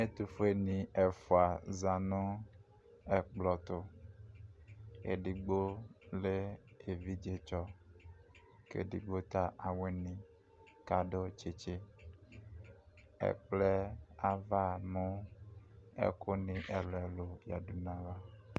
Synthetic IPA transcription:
me˦t̪u˨fe˦nĩ˨e˨fo˨a˨za˨nũ˦ | e˨k͡plɔ˨t̪ʊ˨ | ḛ˨ɖi˨ɡ͡bo˦le˦e˨vi˦d͡ʒe˦t͡ʃɔ˦ | kḛ˨ɖḭ˨ɡ͡bo˦t̪a˦ʔa˨we˦nĩ˨ | ka˨ɖo˦t͡ʃe˨t͡ʃe˦ | ḛ˨k͡ple˦a˨va˦mũ˦ | ḛ˦ko˦nĩ˦ʔe˨lɛ˨lo˨ja˨du˨nã˦va˦

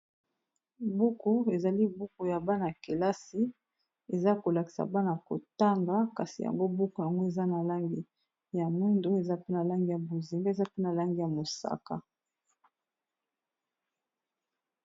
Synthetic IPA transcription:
bu˦ko˦e˨za˨li˦bu˦ko˨ja˨ba˦na˨ke˨la˦si˦ | e˨za˦ko˨la˨ki̥˨sa̰˨ba˦na˨ko̰˨ta˦ŋɡa˦ka˨si˨ja̰˨ŋɡo˦bu˦ko˨ja˨ŋɡo˦e˨za˦na˨la˦ŋɡi˦ | ja˨mwi˦ndo˦e˨za˦pe˦na˨la˦ŋɡi˨ja˨bo˨zi˨ŋɡa˦e˨za˦pe˦na˨la˦ŋɡi˨ja˨mo˨sa̰˦ka̰˨

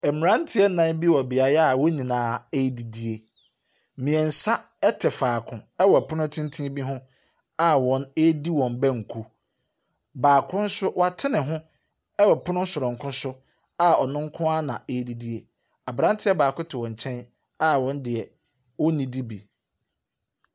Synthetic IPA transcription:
ɛ˨mɪ˨ɾã˦n˦tʰɪ˨˦ɛ˦nã˨˦n˦bi˦wɔ˨bɪ˨a˨ɾa˦˨wɔ˦nĩ˨nãː˨˦e˦di˨di˦e˦ | mĩ˨ɛ̃˨n̩˨sa˦ | ɛ˦tʰɛ˨faː˨kʰʊ̃˨ɛ˦wɔ˨pʰʊ˦nʊ̃˦tʰĩ˦n˦tʰĩ˦bi˦ɦʊ̃˦ | a˦wɔ̃˨ne˦di˦wɔ̃˨mbæ̃˦ŋ̩˨kʰu˦ | baː˨kʰʊ̃˦n̩˦sʊ˦wa˦tʰɪ˦nɪ̃˨ɦʊ̃˦ | ɛ˦wɔ˨pʰʊ˦nʊ̃˦sʊ˨ɾʊ̃˨ŋ̩˨kʰʊ̃˦sʊ˦ | a˨ɔ˨nʊ̃˦ŋ˦kʰʊ̃˦a˦nã˨e˦di˦di˦e˦ | a˨bɾã˦ntʰɪ˦ɛ˦baː˨kʊ˦tʰɪ˨wɔ̃˨ɲ˨t͡ɕʰɛ̃˦n | a˨wɔ̃˦ndɪ˨ɛ˨ | wɔ˦nĩ˨di˦bi˨

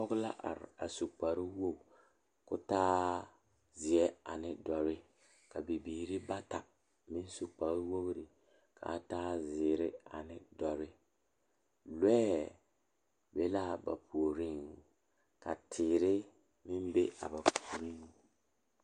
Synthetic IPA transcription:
ɔ˦ɡla̰˦ʔa̰˨ɾa˨su˨k͡pa˨ɾɪ˦wo˦b | kʊ˦taː˦ | zɪ˨ɛ˦a˨nɪ˨dɔ˨ɾɪ˦ | ka˨bi˨biː˨ɾɪ˦ba˦ta˨ | mɪ˦n˦su˨k͡pa˨ɾɪ˦wo˦bɾɪ˨ | kʰa̰˨˦taː˦zɪː˨ɾɪ˦a˨nɪ˨dɔ˨ɾɪ˦ | lwɛː˦ | be˦la˦ba̰˨pʰu˨o˨ɾi˦ŋ | ka̰˨tʰɪː˨ɾɪ˦ | mɪ˦mbe˦a̰˨ba˨pu˨o˨ɾi˦ŋ

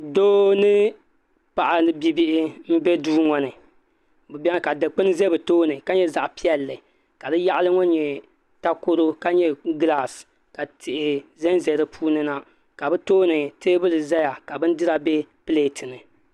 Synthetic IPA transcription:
doː˦nɨ˦ | pa˨ʔa˨nɨ˦bi˦bi˦ʔɪ˦m̩˦bɛ˦duː˦ŋɔ˨nɨ˨ | bɨ˨bɛ˦ŋ˦ka˨dɨ˨k͡pɨ˦n˦zɛ˦bɨ˨toː˦nɨ˨ka˦ɲɛ˦za˨ʔpi˦ɛ˨lːɨ˨ | ka˨dɨ˦ja˦ʔlɨ˦ŋɔ˦ɲɛ˨ | ta˦ko˦ɾo˦ka˦ɲɛ˦ɡla˦˨s | ka˨tʰɪ˨ʔɪ˨zɛ˦nzɛ˨ɾɨ˦pʰuː˦nɨ˦na˦ | ka˨bɨ˦toː˦nɨ˨teː˦bɨ˦lɨ˨za˦ja˨ka˨bɨ˦n˦dɨ˦ɾa˨bɛ˦pɨ˦leː˨tʰɨ˨nɨ˨

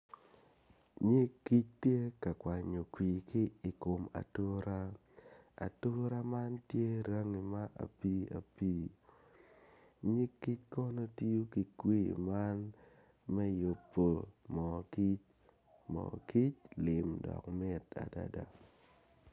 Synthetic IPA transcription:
ɲi˦ki˦t͡ʃtje˦ka˨kwʷa˨ɲo˨kwi˨kɪ˦i˨ko˨ma̰˨to˦ɾa˦ | a̰˨to˦ɾa˦ma˦ntje˦ɾa˦ŋi˨ma˦ʔa̰˨pi˦a̰˨piː˦ | ɲi˦kːi˦t͡ʃkɔ˦nɔ˦ti˦u˦ki˨kwi˦ma˦n | mɛ˦jo˨pːo˨mɔ˨ki˦t͡ʃ | mɔ̰˨ki˦t͡ʃlɪ˨mdɔ̰˨kmɪ˦ta̰˨da̰˨da̰˨

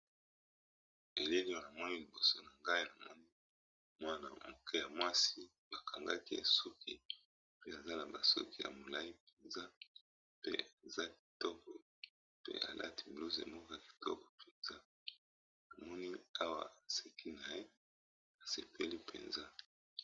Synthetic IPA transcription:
e˨le˦li˦a˨na˨mɔ˦ni˦li˨bo˨so˦na˨ŋɡa˦i˦na˨mɔ˦ni˦ | mwa˦na̰˨mo˨kʰe˦ja˨mwa˦si˦ | ba˨kʰa˨ŋɡa˦ki˦e˨su˦ki˦ | pe˦a˨za˦na˨ba˨so̰˦ki˦ja̰˨mo˨la˦i˦pe˨nza˦ | pḛ˦a˨za˦ki̥˨tɔ˦kɔ˨ | pḛ˦ʔa̰˨lʔa̰˦ti˨blu˦zḛ˨mo˦ka˦˨ki̥˨tɔ̰˦kɔ˨pʰe˨nza˦ | na˨mɔ˦ni˦a˦wa̰˦˨a˨se˨kʰi˦na˨je˦ | a˨se˨pʰe˦li˦pʰḛ˨nza˦

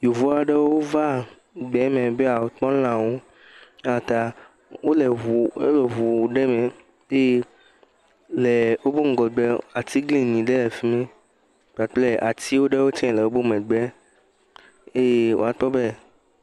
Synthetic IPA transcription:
jo˨vu˦a˨ɖe˦wo˦va˦ | ɡ͡bɛ˨˦mẽ˨be˦a˨wo˨k͡pɔ̃˦lã˨wo˦ | a˨t̪a˨ | wo˦le˨u˨o̰˦le˨vu˨ɖe˦mẽ˨ | e˦je˦ | le˨wo˦bo˦ŋ̩˨ɡɔ˨ɡ͡be˦a˨t̪i˦ɡlĩ˦nĩ˨ɖe˦le˨fi˦mẽ˦ | k͡pa˨k͡ple˦ʔa˨t̪i˦wo˦ɖe˦wo˦t͡ʃɛ̃˦˨le˨o˦bo˦mẽ˨ɡ͡be˦ | e˦je˦wo̰˦a˨tɔ˦be˦

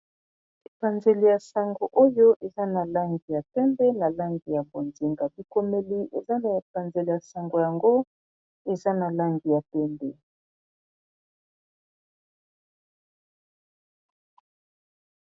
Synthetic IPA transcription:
e˨pa˨nze˨li˨ja˨sa˨ŋɡo˨ʔo˦jo˦ʔe˨za˦na˨la˦ŋɡi˨ja˨pɛ˦mbɛ˦na˨la˦ŋɡi˨ja˨bo˨nzi˨ŋɡa˨bi˨ko˦me˦li˦ʔḛ˨za˦na˨e˨pa˨nze˨li˨ja˨sa˨ŋɡo˨ja˨ŋɡo˦ | e˨za˦na˨la˦ŋɡi˨ja˨pɛ˦mbɛ˦

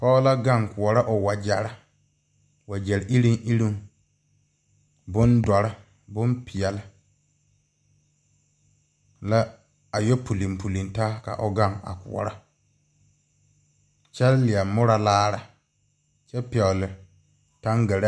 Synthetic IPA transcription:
pɔ˦la˦ɡa˦˨ŋkʊ˨ɔ˨ɾa˦ʔʊ˨wa˨d͡ʒɛ˨ɾa˦ | wa˨d͡ʒɛ˨ɾʔi˦ɾi˦ŋʔi˦ɾi˦ŋ | bʊ˦ndɔ˨ɾɪ˦ | bʊ˦mpʰɪ˨jɛ˨lɪ˦ | la˦ | a˨jɔ˦pʰu˨li˨mpu˨li˨nta˦ka̰˨ʔʊ˨ɡa˦˨ŋa̰˨kʊ̰˨ɔ̰˨ɾa˦ | t͡ʃɛ˦llɪ˨a˨mʊ˦ɾa˨laː˦ɾa˨ | t͡ʃɛ˦pɛ˨lɪ˨ | ta˦ŋɡɛ˨ɾa˦

